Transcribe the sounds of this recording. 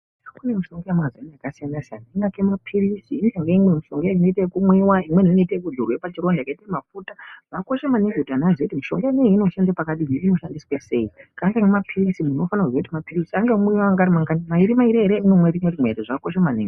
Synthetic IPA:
akune̞miʃo̞ŋɡojamazanaakasijanasianaiŋɡakemapʰirisiːnaŋɡeimwemiʃoŋɡjainoitekumwiwaimwe̞niinoitekuɮurwepat͡ʃiɾondakaitemafutaʐako̞ʃemaniŋɡotanaʐeitimiʃoŋɡaneiino̞ʃandapakaɗiɦiino̞ʃandiswase̞̰ikaŋɡaŋemapʰirisimuno̞fanakud͡ʒoitamapirisiaŋɡemwiwamaŋɡaɾimaŋɡanimaiɾimaiɾiɦeɾeinomweɾimweɾimwḛɾeʐakoʃamaniːŋɡe

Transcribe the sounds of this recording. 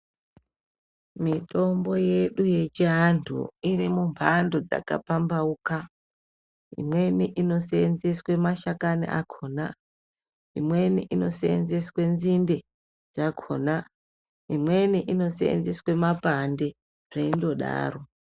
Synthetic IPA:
mito̞mbo̞je̞ɗuje̞t͡ʃiɦantʰṵirimumpʰando̞d͡za̰ka̰pambauka | ḭmwe̞niʔino̞seːnzeswe̞maʃakanḭʔa̰kʰo̞ːna | ḭmwe̞niʔino̞seḛnzeswe̞nzinde̞ | d͡zakʰona | imwe̞niʔino̞sḛḛnzeswe̞mapande̞ | ʐ̥eindo̞ɗa̰ːro̞

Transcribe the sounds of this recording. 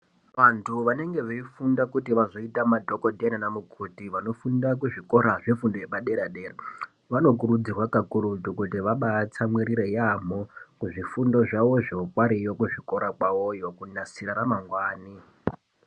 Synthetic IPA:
ʋantʰuʋane̞ŋɡe̞ʋeifundakutiʋazo̞itamadʱokodʱenanamukʰutiʋano̞fundak̬uʐiko̞ɾaʐefundojeɓaɗeɾaɗeːra | ʋano̞k̬uɾud͡zirwakakuɾutukutiʋaɓat͡samwiɾiɾejam̤okuʐifundo̞ʐaʋo̞ʐiokwaɾijokuʐiko̞ɾakwaojo̞kunasiɾaɾamaŋɡwaːni

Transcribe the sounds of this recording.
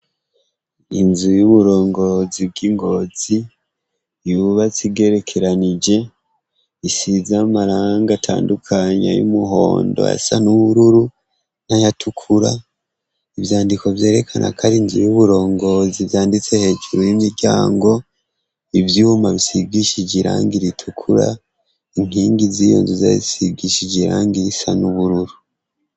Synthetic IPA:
inzujuβuɾo̞ːŋɡo̞zib̚ɡiŋɡo̞z̥i | juβat͡siɡe̞ɾe̞kʰe̞ɾanid͡ʒe̞ | isizamaɾaːŋɡatʰa̰ːndukʰaɲa̰jṵmuɦo̞̰ːndo̰a̰sanuβuɾuɾu | n̥ajatʰukʰuɾa̰ | ivjaːndiko̞vje̞ːɾe̞kʰanʔa̰kʰaɾiɲzijuβuɾo̞ːŋɡo̞zivjaːndit͡se̞he̞ːd͡ʒuɾujimiɾɟaːŋɡo̞ | ivjuːmaβisiɡiʃid͡ʒiɾa̰ːŋɡiɾitʰukʰuɾa̰ | iŋ̥hiːŋɡizijo̰ːnzuzaḭsiɡiʃid͡ʒiɾaːŋɡiɾisanuβuɾuɾu

